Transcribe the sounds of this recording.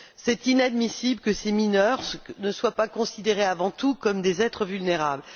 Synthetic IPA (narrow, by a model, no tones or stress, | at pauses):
sɛt̪inad̪misiblkəseminœʁsnəswapakɔ̃sid̪eʁeavɑ̃t̪ukɔmd̪ezɛt̪χəvylneʁabl